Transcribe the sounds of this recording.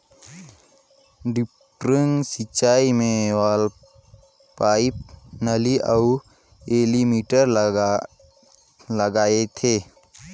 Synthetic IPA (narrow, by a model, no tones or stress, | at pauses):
ɖɪpʈɾə̃ŋsɪt͡ʃaːimẽʋaːl | paːip̚nəliʔəu | eːlimiːʈəɾ | ləɡaːet̪ʰeː